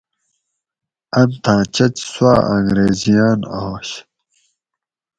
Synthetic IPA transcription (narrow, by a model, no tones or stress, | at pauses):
ɐnt̪ʰãːt͡ɕɐt͡ɕswaːɐ̃ŋɡɾeːzijaːna̰oːɕ